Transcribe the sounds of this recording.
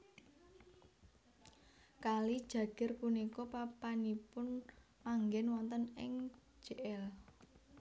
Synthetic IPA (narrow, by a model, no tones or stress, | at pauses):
kalid̥ʒ̥ä̤ɡ̥ɛ̤rpunikɔpapanipʊn | maŋɡɛnwɔnt̪ənɪŋ̥ʒ̥eʔɛl